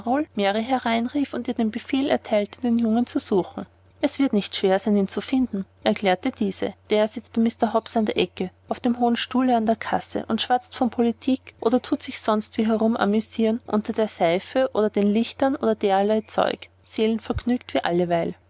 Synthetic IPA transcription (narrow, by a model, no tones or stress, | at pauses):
ʁolmeʁiɦɛɐʁaɪnʁiːfʊntiːɐdeːnbəfeːlɛɐtʰaɪltə̥d̥eːnjʊŋənt͡suz̥uːxŋ̩ | ʔɛsv̥ɪɐtnɪçtʃv̥eːɐzaɪniːnt͡sufɪndn̩ʔɛɐkʰl̥eːɐtəd̥iːz̥ə̰d̥eːɐz̥ɪt͡sb̥ɛɪmɪstɐɦɔpsandeːɐʔɛkəʔaʊfd̥eːmɦoːənʃtuːləandeːɐkʰasə̰ʔʊntʃv̥at͡stfɔnpʰolitʰiːkʔo̰ːdɐtʰuːtz̥ɪçsɔnstv̥iːɦɛʁʊmʔa̰myziːnʔʊ̰ntɐdeːɐz̥aɪfəʔoːdɐdeːnlɪçtɐnʔoːdɐd̥eːɐlaɪt͡sɔ̰ʏk | z̥eːlənfɛɐɡnyːktv̥iːʔa̰ləvaɪl